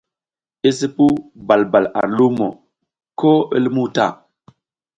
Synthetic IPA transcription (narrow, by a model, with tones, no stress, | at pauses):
i˦s̬i˦pu˦ba˨lba˨la̰˨ɾlu˦mo̰˨ | ko˦ə̰˦lmu˦ta̰˦˨